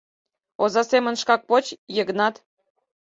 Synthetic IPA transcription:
ozɑsemə̆nʃkɑk̚pot͡ɕjəɣnɑt̪

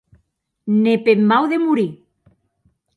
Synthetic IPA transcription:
nepemːawðemuɾi

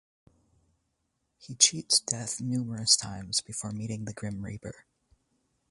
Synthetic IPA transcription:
hit͡ʃʰitsd̥ɛθnumə˞ɨstʰãɪ̃mz̥bɨfɔɹmiɾɪ̃ŋðɨɡɹɪ̃mɹḭpə̰˞

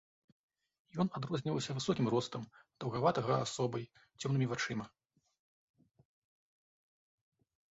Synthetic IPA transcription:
jɔnad̪ɾɔzʲnʲivɐwsʲɐvɨsɔkʲimɾɔst̪ɐmd̪̥ɐwɣavat̪ɐɣɐasɔbɐj | t͡sʲɔmnɨmʲivat͡ʂɨmɐ

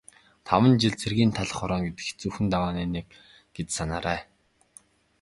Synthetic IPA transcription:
t̪ʰawə̆nt͡ɕiɮt͡sʰerɣiːnt̪ʰaɮ̆χɔɾɔːŋɡet̪ɘ̆xt͡suxɘ̆nt̪awaːniːnek̚ | ɡ̥et͡ssanaːɾæː

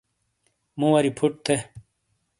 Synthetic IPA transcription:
mũwɐɾipʰuʈ̚t̪ʰe

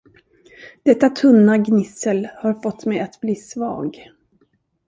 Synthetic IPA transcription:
d̪̥ɛt̪ːat̪ʰɵnːaɡnɪsəlhaɾfɔt̪ːmɛjat̪bliːsvɑ̰ːɡ

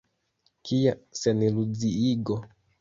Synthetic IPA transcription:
kijasenilud͡ziiɡo

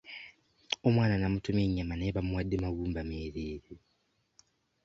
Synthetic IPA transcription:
omwaːnanamutumeɲamaneβamuwadːemaɣuːmbameːɾeːɾi

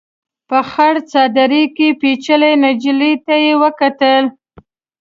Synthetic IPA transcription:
pəxaɽt͡sɑd̪aɾikepet͡ʃəlejnad͡ʒlit̪ajewəkat̪əl

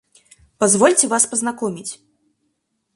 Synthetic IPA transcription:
pazvɔlʲt͡sʲɛvaspɐznakɔmʲit͡sʲ

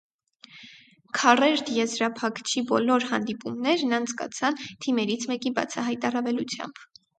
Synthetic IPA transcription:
kʰɑrɛɾt̪jɛzɾɑpʰɑkt͡ʃʰibɔlɔɾhɑnd̪ipumnɛɾnɑnt͡sʰkɑ̰t͡sʰɑnt̪ʰimɛɾit͡sʰmɛkibɑ̰t͡sʰɑɦɑjt̪ɑrɑvɛlut͡sʰjɑ̰mb̥

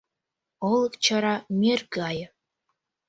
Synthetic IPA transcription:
ɤlˠɤkt͡ɕə̆ɾɑmʲerɡɑj

